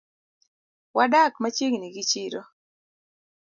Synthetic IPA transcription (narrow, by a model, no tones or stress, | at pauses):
wadakmat͡ʃeŋniɡit͡ʃiɾɔ